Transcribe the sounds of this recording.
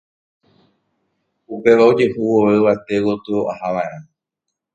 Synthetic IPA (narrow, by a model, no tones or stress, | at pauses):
upe̞ʋaod͡ʒe̞huwoʋeʋat̪ewot̪ɨoʔahaʋaẽɾ̃ã